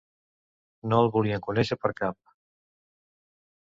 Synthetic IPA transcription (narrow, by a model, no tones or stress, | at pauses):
noəlˠβuliəŋkunɛʃəpəɾkap̚